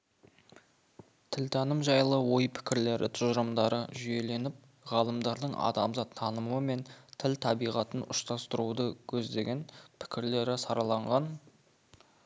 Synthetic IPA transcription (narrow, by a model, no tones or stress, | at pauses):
t̪ʰɪlt̪ʰɑnəmʒɑjlˠəwo̞jpʰɪ̥kʲɪɾle̞ɾʔɪ̰t̪ʰʊʒəɾəmd̪ɑɾə̰ʒʏje̞le̞nɪp̚ | ʁɑlˠəmd̪ɑɾd̪əɴʔɑ̰d̪ɑmzɑt̪ʰːɑnəmuəme̞nt̪ʰɪlt̪ʰɑbijʁɑt̪ənʔʊʃt̪ɑst̪əɾud̪əkʲʰɵzd̪e̞ɡʲe̞npʰɪ̥kʲɪɾle̞ɾɪsɑɾɑlˠɑɴʁɑn